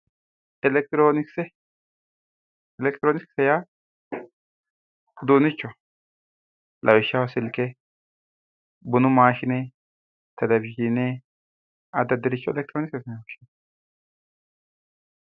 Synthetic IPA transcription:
ɛlɛk̚t̪ɪɾoːnɪksɛ | ɛlɛkt̪ɪɾoːnɪksɛja | ʊd̪uːnɪt͡ʃːɔ | lʔɐwɪʃːɐwasɪlkɛ | bʊnʊmaːʃɪnɛ | t̪ʰɛlɛvɪd͡ʒɪnɛ | ɐd̪ːɐd̪ɛɾɪt͡ʃːɔɛlɛk̚t̪ɪɾonɪksɛsɐnɛwɔʃɪn

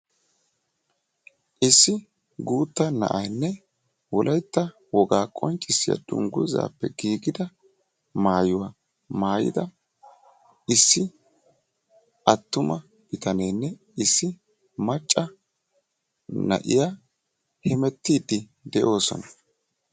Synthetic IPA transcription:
ʔɪsːɪ | ɡuːt̪ːɐnɐ̰ʔɐjnːɛ | wɔlʔɐjt̪ːɐ | wɔɡaːkʼɔnt͡ʃʼːɪsːɪjɐ̰d̪ʊ̰ŋɡʊza̰ːpːɛɡiːɡɪd̪ɐ | maːjʊwa | maːjɪ̰d̪ɐ | ɪsːɪ | ʔɐt̪ːʊmɐ | bɪt̪ɐnɛjnːɛ | ɪsːɪ | mɐt͡ʃʼːɐ | nɐ̰ʔɪja | hɛmɛt̪ːiːd̪ːɪ | d̪ɛʔo̞ːsɔ̰nɐ

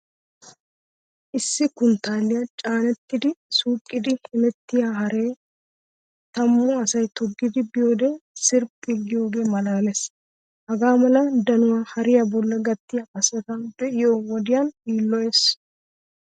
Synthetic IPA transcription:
ʔɪsːɪkʊnt̪aːlːɪjɐt͡ʃʼaːnɛt̪ːɪd̪ɪsuːkʼːɪd̪ɪhɪmɛt̪ːɪjaɦɐɾe̞ːj | t̪ɐmːɔɐsɐjt̪ɔɡːɪd̪ɪbɪjo̞ːd̪ɛsɪɾpʼːɪɡɪjo̞ːɡe̞ːmɐlaːlɛs | hɐɡaːmɐlɐd̪ɐnʊwaːhɐɾɪjabɔlːɐɡɐt̪ːɪjaʔɐsɛt̪ɐbɛʔɪjoːwɔd̪ɪjaniːlːɔjeːs

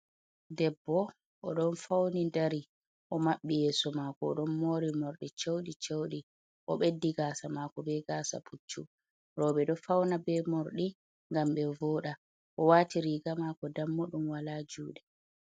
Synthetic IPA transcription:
dɛbːɔ | ʔɔɗɔnfawnindaɾi | ʔɔmaɓːijɛːsɔmaːkɔːɗɔnmoːɾimoɾɗit͡ʃowɗit͡ʃowɗi | ʔɔɓedːiɡaːsamaːkɔbɛɡaːsa̰pʰut͡ʃːu | ɾɔːɓɛɗɔfawnabɛmoɾɗi | ŋɡamɓɛvɔːɗa | ʔɔwaːtiɾiːɡamaːkɔdamːuɗumwalaːd͡ʒuːɗɛ

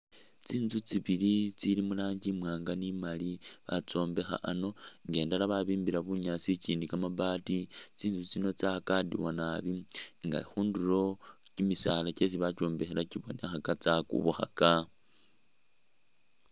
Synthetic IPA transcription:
t͡siːnzut͡siβilit͡silimulaːɲɟimwaːŋɡanimaliβat͡so̞ːmbe̞xa̰ʔano̞ŋɡe̞ːndalaβaβiːmbiɾaβuɲasiciːndikamabaːtit͡siːnzut͡sino̞t͡sakadḭwanaβiŋɡa̰xuːnduɾo̞cimisaːlaces̬iβat͡ʃo̞ːmbe̞xelaciβo̞nexakat͡sakṵβuxa̰ka

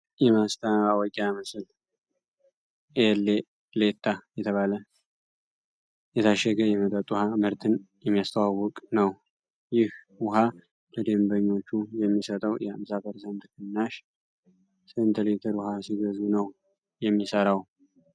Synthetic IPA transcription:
jɛmast̪ʰawɔkʼamɨsɨl | ʔele | let̪ʰːajɛt̪ʰəβalə | jɛt̪ʰaʃːɛɡəjɛmət̪ʼət̪ʼuhamɨɾt̪ʰɨnjɛmːijast̪ʰəwawːɔkʼnəw | jɪh | wʊɦa | ləd̪embəɲːo̞t͡ʃːujɛmːisət̪ʼəwjɛamsabəɾsənt̪ɨkʰənːaʃ | sənt̪ʰɨlet̪ʰəɾʊhasiɡəzunəw | jɛmːisəɾaw

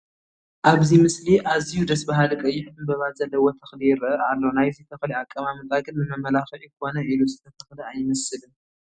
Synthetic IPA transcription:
ʔaβzimɨsliʔazijud̪ɐsbaɦalɨkʼɐjːɪħt̪ʰɨmbɐβat̪zɐlːɐwot̪ʰɐxlijɪɾɐɨalːonajzit̪ʰɐxliakʼːɐmamɨt̪ʼaɡɨnbɨmɐmɐlaxɐʕjikʰo̞nɐʔiluzɨt̪ʰɐt̪ʰɐxliajɪmɐsɨlɨ

